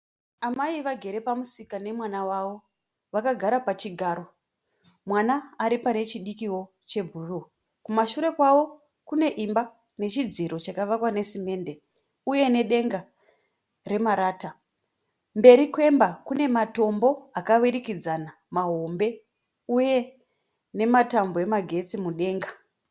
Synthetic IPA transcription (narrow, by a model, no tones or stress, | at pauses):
amaiʋaɡʱe̞ɾe̞pamusikane̞mwanawaʋo̞ | ʋakaɡʱaɾapat͡ʃiɡʱaːɾo̞ | mwanaːɾipane̞t͡ʃiɗikiwo̞ | t͡ʃe̞bʱuru | kumaʃuɾe̞kwaʋo̞ | kune̞ʔimba | ne̞t͡ʃid͡ziɾo̞t͡ʃakaʋakwane̞sime̞nde̞ | uje̞ne̞ɗe̞ŋɡa | re̞maɾaːta | mbe̞ɾikwe̞mbakune̞mato̞mbo̞akawiɾikid͡zana | maɦo̞mbe̞ | uje̞ | ne̞matamboe̞maɡʱe̞t͡simuɗe̞ːŋɡa